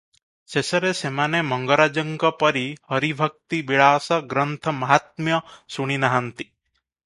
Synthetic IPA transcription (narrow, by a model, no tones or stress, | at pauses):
sesɐɾesemanemɐŋɡəɾad͡ʒɐŋɡɐpɐɾihɐɾibʱɐk̚t̪ibiɭaːsɐɡɾənt̪ʰɐmɐɦat̪̚mjɐsuɽ̃inaɦant̪i̥